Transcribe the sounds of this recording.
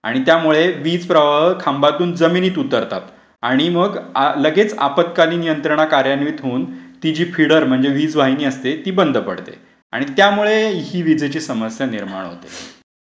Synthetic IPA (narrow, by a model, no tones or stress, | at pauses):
a̰ɽ̃it̪jamuɭeʋiːd͡zpɾəʋaəkʰambat̪uːnd͡zəminiːt̪ut̪əɾt̪at̪ | aɽ̃iməɡləɡet͡sa̰pət̪kaliːnijənt̪ɾəɳ̃akaɾjanʋiːt̪ɦoːnt̪id͡ʑiːfʰiɽəɾm̤əɳd͡zeʋiːd͡zʋaɦiniːəst̪et̪iːbənd̪ʱəpə̰ɽt̪ḛ | a̰ɽ̃it̪jamuɭeiːʋid͡zet͡ɕiːsəməsjaniɾma̰ɳ̃ɦo̰t̪ḛ